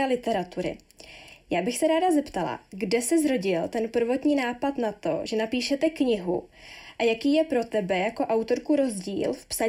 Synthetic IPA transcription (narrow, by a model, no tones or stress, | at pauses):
ɛlɪt̪ɛɾat̪uɾɪ̰ | jaːbɪxsɛɾaːdazɛpt̪ala̰ɡdɛsɪzɾo̞ɟɪlt̪ɛnpr̩vo̞t̪ɲiːnaːpat̪nat̪o̞̰ʒɛnapiːʃɛt̪ɛkɲɪɦṵʔajakiːjɛpɾo̞t̪ɛbɛjako̞ʔawt̪o̞ɾkuɾo̞zɟiːlfpsa